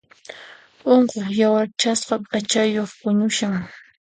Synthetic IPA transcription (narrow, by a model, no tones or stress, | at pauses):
oɴqoχjawaɾt͡ʃasɢɑpat͡ʃajoχpʊɲʊʃaŋ